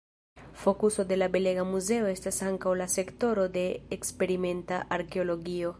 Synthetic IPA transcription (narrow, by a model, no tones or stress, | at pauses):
fo̞kuso̞de̞labe̞le̞ɡamuze̞o̞e̞stasaŋkawlase̞kto̞ɾo̞de̞ːkspe̞ɾime̞ntaʔaɾke̞o̞lo̞ɡio̞